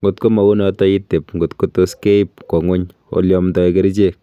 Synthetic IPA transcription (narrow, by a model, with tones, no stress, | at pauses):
ŋɡo˨tko˦ma˨ɡu˦nɔtɔ˦i˦te˨pŋɡo˨tko˦to˦ske˦p̚kɔ˨ŋwo˦ɲ | o̰˨ljɔ˨mtɔ˨˦eke˦ɾi˦t͡ʃe˦